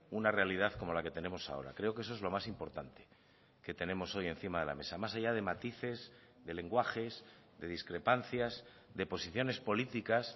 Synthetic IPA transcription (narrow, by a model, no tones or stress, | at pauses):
unare̞aliðaθko̞mo̞lake̞t̪e̞nẽ̞mo̞sa̰o̞̰ɾa̰kɾe̞o̞ke̞s̬oe̞zlo̞masimpo̞ɾt̪ant̪e̞̥ | ke̞t̪e̞ne̞mo̞so̞je̞nθimaðe̞la̰me̞̰samasaʝað̞e̞mat̪iθe̞z | ðe̞le̞ŋɡwaxe̞z | ðe̞ð̞iskɾe̞panθjaz | ðe̞po̞siθjo̞ne̞spo̞lit̪ikas